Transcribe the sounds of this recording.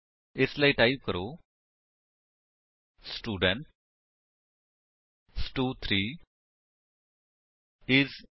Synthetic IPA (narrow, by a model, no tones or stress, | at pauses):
ɪslaiʈaɪb̚kəɾoː | sʈuːɖə̃ɳʈ | sʈuːt̪ʰɾiː | ɪz